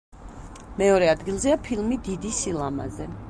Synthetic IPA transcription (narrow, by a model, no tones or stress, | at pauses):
mɛɔɾɛad̪ɡilˠzɛapʰilˠmid̪id̪isilˠama̰zɛ